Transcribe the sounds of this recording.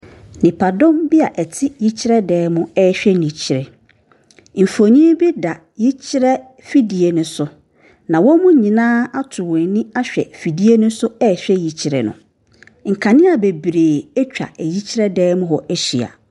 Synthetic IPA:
nɪ̃˨pʰa˨dɔ̃˦mbi˦a˨ʔɛ˨tʰɪ˦ji˦t͡ɕʰi˦ɾɛ˦dɛː˨˦mʊ̃˦ɛː˦ɕᶣɛ˦nĩ˨t͡ɕʰi˨ɾɛ˨ | m̩˨fo˨ɲĩ˦bi˦da˨ | ji˦t͡ɕʰi˦ɾɛ˦ | fi˦di˨e˨nʊ̃˨sʊ˦ | nã˨wɔ̃˦mʊ̃˦ɲĩ˨nãː˦a˦tʰʊ˨wɛ̃˨nĩ˦a˦ɕᶣɛ̰˨fi˨di˦e˦nʊ̃˦sʊ˦ɛ˦˨ɕᶣɛ˦ji˨t͡ɕʰi˨ɾɛ̰˨nʊ̰̃˨ | ŋ̩˨kʰã˨nɪ̃˦a˨be˨bɾeː˨ɛ˦t͡ɕᶣa̰˨ɛ˨ji˦t͡ɕʰi˦ɾɛ˦dɛː˦mʊ̃˦ɦɔ˨ʔɛ˦ɕi˨a̰˨

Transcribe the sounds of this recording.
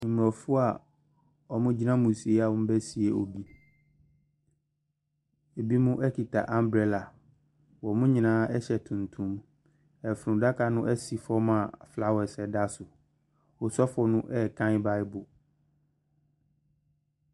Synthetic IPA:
nĩ˨m˨ɔ˨fʊ˦a˨ | ɔ˨mʊ̃˦d͡ʑi˦nã˦mũ˨si˨e˦a˨wʊ̃˦m̩˦bɛ˦si˨˦ɛ˨o˨bi˦ | e˨bi˦mʊ̃˦ʔɛ˦kʰi˨tʰa̰˨ʔã˦mbɾɛ˨la˨ | wɔ˨mʊ̃˦ɲĩ˨nãː˦ɛ˦ɕɛ˨tʰũ˨ntʰũ˦m | ɛ˨fɾʊ̃˨da˦kʰa˨nʊ̃˦ʔɛ˦si˨fɔ˦mã˨fla˦wɛ˨sɛ˨da˦sʊ˨ | wɔ˨sɔ˦fɔ˨nʊ̃˦ʔɛ˦˨kʰã˦ɪ˦ba˦ɪ˦bʊ˨

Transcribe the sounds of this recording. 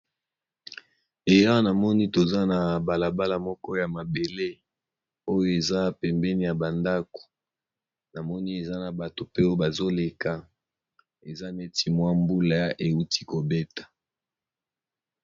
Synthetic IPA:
e˨ja˦na˨mɔ˦ni˦to˨za˦na˨ba˨la˨ba˦la˨mɔ˦kɔ˦ja˨ma˨be˨le˦ | o˦jo˦e˨za˦pɛ˨mbɛ˦ni˨ja˨ba˨nda˦ko̥˨ | na˨mɔ˦ni˦e˨za˦na˨ba˨to˨pe˦o˦jo˦ba˨zo˦le˨ka˨ | e˨za˦me˦ti˨mwa˦mbu˦la˨ja˦ʔe˨u˦ti̥˦ko˨be˦tḁ˨

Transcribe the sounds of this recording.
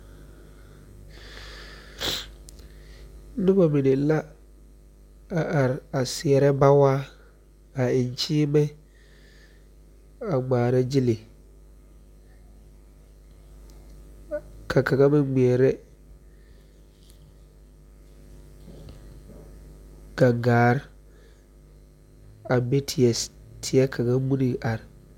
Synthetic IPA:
nɪ̃˦ba˨mɪ̃˨nɪ̃˨˦la˦ | a˨ʔa˨ɾa˨sɪ˨ɛ˨ɾɛ˦ba˦waː˦ | a˨ɪ˨n˨t͡ɕʰiː˦mɛ˦ | a˨ɡ͡baː˨ɾa˦d͡ʑi˦le˨ | kʰa˨ka˨ɡa˦mɪ˦ɡ͡bɛ˨ɛ˨ɾɛ˦ | ɡ̥a˨ŋɡaː˨˦ɾ | a˨be˦tʰɪ˨ɛ˨tʰɪ˨ɛ˦kʰa˨ɡa˦mu˦ni˨ʔa˨ɾ

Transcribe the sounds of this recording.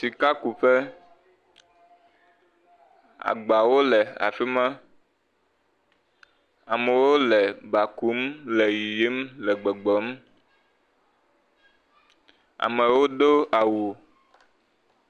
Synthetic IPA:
si˨ka˦ku˨ɸe˦ | a̰˨ɡ͡ba˨wo˦lɛ˨a̰˨fi˦mɛ̃˦ | a̰˨mɛ˨wo˦lɛ˨ba˨ku˨˦mlɛ˨ji˨ji˦mlɛ˨ɡ͡bɛ˨ɡ͡bɔ˨˦m | a̰˨mɛ˨wo˦ɖo˦a˨wu˨

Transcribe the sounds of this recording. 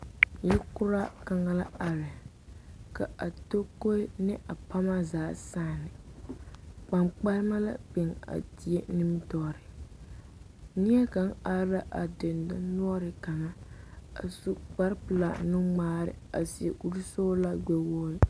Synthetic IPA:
jɛ˦kʊ˦ɾa˦ka˨ŋa˦la˦a˨ɾɪ˨ | ka˨a˨to˦ko˦nɪ˦ʔa˨pa˦ma˦zaː˨saː˦˨nɪ˨ | k͡pa˨mk͡pa˦ɾɪ˦ma˦la̰˦k͡pɛ˨ŋa̰˨ti˨e˦nɨ˦m˦tɔ˦˨ɾɪ˨ | ni˦ɛ˦ka˨˦ŋa˦ɾa˦ʔa˨dɪ˨nda˦nu˦ɔ˦ɾɪ˨ka˨ma˦a̰˨su˦k͡pa˦ɾpɨ˨la˨nu˦ŋ͡maː˦ɾɪ̰˨a̰˨si˨ḛ˨ʔu˦ɾu˦soː˦la˦ɡ͡bɛ˦wo˦

